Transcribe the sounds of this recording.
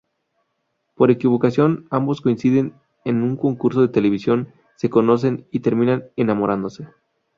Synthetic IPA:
po̞ɾe̞kiβo̞kasjo̞nambo̞sko̞insiðe̞n | enuŋko̞ŋkuɾso̞ðe̞t̪e̞le̞β̞isjon | se̞ko̞no̞s̬e̞nit̪e̞ɾmĩnanenamo̞ɾʔand̪o̞se̞

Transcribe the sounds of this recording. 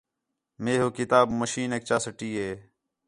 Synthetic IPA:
meːɦoːkɪt̪aːbməʃiːnek̚t͡ʃaːsəʈiːɦeː

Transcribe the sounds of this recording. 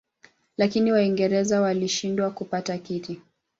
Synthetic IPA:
lakiniwaiŋɡɛɾɛzawaliʃindwakupatakiti

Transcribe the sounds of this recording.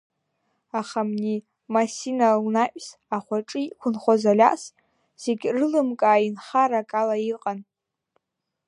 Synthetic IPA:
aχamni | masinalnaʔʷʼs | aχʷaʈ͡ʂʼɨikʷʰʊnχʷazalʲa̰ʔs | z̥eɡʲrɨlɨmkʼaːinχaɾakʼalaiqʼan

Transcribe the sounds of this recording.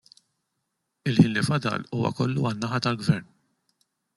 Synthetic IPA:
ɪlħiːnlifɐd̪ɐ̰luːwɐ̰kɔlːuɐnːɐħɐt̪ɐlɡvɛɾn

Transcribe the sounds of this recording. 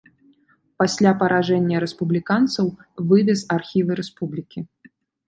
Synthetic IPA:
pasʲlʲapɐɾaʐɛnʲːɐɾɛspublʲikant̪sɐwvɨvʲɛsarxʲivɨɾɛspublʲikʲi

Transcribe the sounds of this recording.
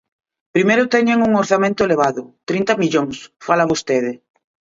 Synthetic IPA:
pɾimejɾʊt̪ɛɲeŋuŋoɾθamẽnt̪ʊeleβ̞aðʊt̪ɾint̪ɐmiʎoŋsfalaβost̪eðɪ

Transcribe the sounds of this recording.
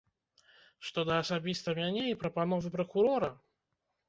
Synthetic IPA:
ʂt̪ɔd̪ɐːsabʲist̪ɐmʲanʲɛipɾɐpanɔvɨpɾɐkuɾɔɾɐ

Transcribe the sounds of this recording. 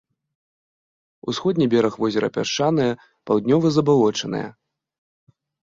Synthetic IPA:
usxɔd̪ʲnʲibʲɛɾɐxvɔzʲɛɾɐ̰pʲa̰ʂt͡ʂanɨjɐ | pawd̪ʲnʲɔvɨzɐbalˠɔt͡ʂɐnɨ̰jɛ̰

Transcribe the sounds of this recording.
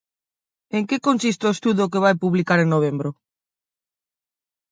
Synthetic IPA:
eŋkekonsist̪oest̪uðʊk̬eβ̞ajpuβlikaɾeŋnoβ̞embɾo

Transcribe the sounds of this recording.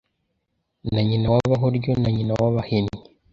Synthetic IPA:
naɲinawaβaɦoɾɟonaɲinawaβahemi

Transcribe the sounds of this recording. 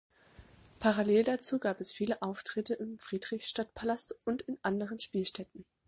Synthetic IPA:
pʰaʁaleːldat͡suːɡaːpɛsfiːləʔaʊftʁ̥ɪtəʔɪmfʁ̥iːdʁɪçʃtatpʰalastʊntɪnʔandəʁənʃpiːlʃtɛtn̩

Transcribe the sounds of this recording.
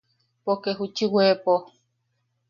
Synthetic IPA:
pokeɦut͡ʃiwepo

